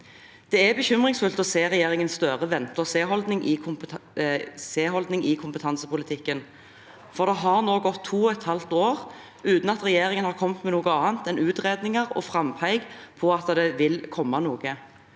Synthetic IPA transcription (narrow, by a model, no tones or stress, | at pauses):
d̪̥ɛɛbəçʏmʁɪŋsfʉlt̪ɔseːʁɛjeːʁɪŋənsst̪œʁəʋɛnt̪əseːɦɔld̪nɪŋʔɪ | seːɦɔld̪nɪŋɪkʰʊmpət̪ʰɑnsəpʊlɪt̪ʰɪkːən | fɔʁd̪ɛɦɑʁnoːɡɔt̪ʰːuːɔɛt̪hɑlt̪oːʁ | ʉːt̪n̩ɑt̪ʁɛjeːʁɪŋənhɑʁkʰɔmt̪mɛnuːɡəɑːnt̪ɛnʉːt̪ʁeːd̪nɪŋəʁɔ̰fʁɑmpʰæɪɡpʰɔɑt̪ːəd̪ɛʋɪlkʰɔmːɑnuːɡə